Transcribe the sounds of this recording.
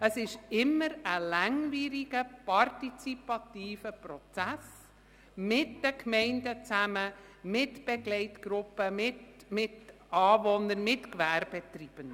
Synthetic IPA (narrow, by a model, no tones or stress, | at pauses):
əsɪʃɪmːəɾəlæŋviːɾiɡ̥əpʰɑrtit͡sipɑtiːfəprɔt͡sæs | mɪtd̥əkʰmɛɪndət͡sæmə | mɪtb̥ɛɡlɛɪtɡ̥ɾʊpːəmɪt | mɪt | ɑːvɔnənmɪtkvæɾbɛtrib̥ən